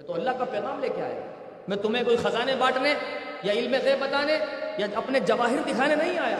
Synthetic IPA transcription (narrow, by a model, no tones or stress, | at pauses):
ɛ̃t̪oɐlːaɦkapɛːɣaːmleːkea̰ːɦɛ̰ | mɛ̃t̪ʊmẽkoːixɐzaːnebaːʈnejaɪlmẽɣɛːbɐt̪aːnejaɐpned͡ʒɐʋaːɦɪɾd̪ɪkʰaːnenɐɦĩaːjaː